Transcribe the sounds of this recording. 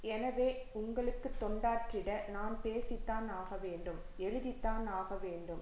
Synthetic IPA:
ɛnɐʋeːʊŋɡɐɭɯkːɯt̪ːɔɳɖaːʈrɪɽɐnaːnpeːsɪt̪ːaːnaːɣɐʋeːɳɖɯm | ɛɻɯðɪt̪ːaːnaːɣɐʋeːɳɖɯm

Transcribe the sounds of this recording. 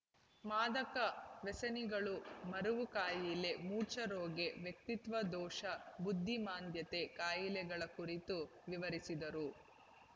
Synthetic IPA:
maːd̪ɐkɐʋɛsɐniɡɐɭumɐɾuʋukaːjilemuːt͡ʃɐɾoːɡe̞ʋjek̚t̪it̪ʋɐd̪ɔːʂɐbud̪ʱːimaːnd̪jɐt̪e̞kaːjilɛɡɐɭɐkuɾit̪u | ʋiʋɐɾisid̪ɐɾu

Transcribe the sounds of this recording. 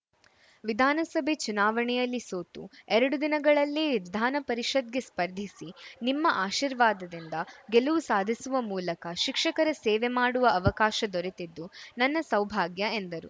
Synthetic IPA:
ʋid̪ʱaːnɐsɐbʱet͡ʃunaːʋɐɳɛjɐlːisoːt̪ṵɛɾɐɽud̪inɐɡɐɭɐlːiʋid̪ʱaːnɐpɐɾiʂɐd̪̚ɡespɐɾd̪ʱisinimːɐʔaːʃiːɾʋaːd̪ɐd̪ind̪ɐɡeluʋusaːd̪ʱisuʋɐmuːlɐkɐʃikʂɐkɐɾɐsɛːʋemaːɽuʋɐɐʋɐkaːʃɐd̪ɔɾet̪id̪ːunɐnːɐsɐwbʱaːɡjɐend̪ɐɾu

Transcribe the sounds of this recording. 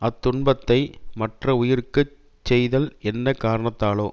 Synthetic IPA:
ɐt̪ːʊɳbɐt̪ːɐɪmɐʈrɐʊjɪɾɯkːɯ | t͡ʃːɛjðɐlɛnːɐkaːɾɐɳɐt̪ːaːloː

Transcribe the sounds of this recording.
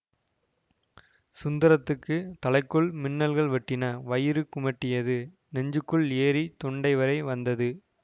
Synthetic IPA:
sʊnd̪ɐɾɐt̪ːɯkːɯt̪ɐlɐɪkːɯɭmɪnːɐlɣɐɭʋɐʈːɪnɐʋɐjɪɾɯkːʊmɐʈːɪjɐðɯ | nɛɲd͡ʒɯkːɯɭeːɾit̪ɔɳɖɐɪʋɐɾɐɪʋɐnd̪ɐðɯ

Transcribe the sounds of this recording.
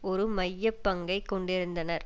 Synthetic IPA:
ɔɾɯmɐjːɐpːɐŋɡɐɪkːɔɳɖɪɾɯnd̪ɐnɐɾ

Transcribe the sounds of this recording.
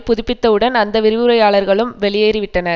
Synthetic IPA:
pʊðʊpːɪt̪ːɐɯɽɐnɐnd̪ɐʋɪɾɪʋɯɾɐjaːɭɐɾɣɐɭɯmʋɛɭɪjeːɾɪʋɪʈːɐnɐɾ

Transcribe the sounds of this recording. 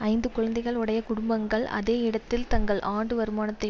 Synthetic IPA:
ɐɪnd̪ɯkʊɻɐnd̪ɐɪɣɐɭʊɽɐjɐkʊɽʊmbɐŋɡɐɭɐ̰ðeːɪɽɐt̪ːɪlt̪ɐŋɡɐɭʔaːɳɖɯʋɐɾɯmaːnɐt̪ːɐ

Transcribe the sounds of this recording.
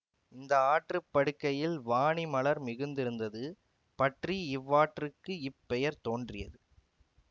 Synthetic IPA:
ɪnd̪ɐaːʈrɯpːɐɽɯkːɐjɪlʋaːɳimɐɭɐɾmɪɣɯnd̪ɪɾɯnd̪ɐðɯ | pɐʈriɪʋːaːʈrɯkːɯɪpːɛjɐɾt̪oːndrɪjɐðɯ

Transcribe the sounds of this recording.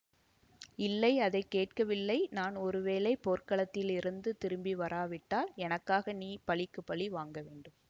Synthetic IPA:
ɪlːɐɪɐðɐɪkːeːʈ̚kɐʋɪlːɐɪnaːnɔɾɯʋeːlɐɪpoːrkɐɭɐt̪ːɪlɪɾɯnd̪ɯt̪ɪɾɯmbiʋɐɾʔaːʋɪʈːaːlɛnɐkːaːɣɐniːpɐɭɪkːɯpːɐɭiʋaːŋɡɐʋeːɳɖɯm

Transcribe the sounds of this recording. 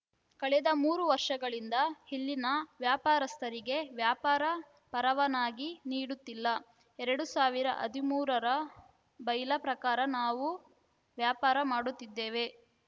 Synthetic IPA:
kɐɭɛd̪ɐmuːɾuʋɐɾʂɐɡɐɭind̪ɐhilːinɐʋjaːpaːɾɐst̪ʰɐɾiɡe̞ʋjaːpaːɾɐ | pɐɾɐʋɐnaːɡiniːɽut̪ːilːɐ | ɛɾɐɽusaːʋiɾɐ̰ʔɐ̰d̪imuːɾɐɾɐ | bɐjlɐpɾɐkaːɾɐnaːʋu | ʋjaːpaːɾɐmaːɽut̪ːid̪ːeːʋe̞

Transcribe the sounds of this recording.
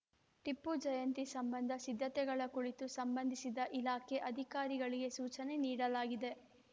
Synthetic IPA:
ʈipːud͡ʒɐjɐnt̪isɐmbɐnd̪ʱɐsid̪ʱːɐt̪ɛɡɐɭɐkuɭit̪usɐmbɐnd̪ʱisid̪ɐʔilaːkʰeʔɐd̪ʱikaːɾiɡɐɭiɡe̞suːt͡ʃɐne̞niːɽɐlaːɡid̪e̞

